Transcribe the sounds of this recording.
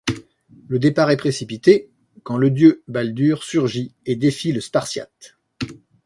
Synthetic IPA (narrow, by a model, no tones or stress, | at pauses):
ləd̪epaʁɛpχesipit̪e | kɑ̃ləd̪jøbald̪yʁsyʁʒied̪efiləspaʁsja̰t̪